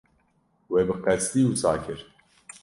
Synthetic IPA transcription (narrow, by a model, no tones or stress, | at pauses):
weːbɨqɛst̪iːwusaːkʰɨɾ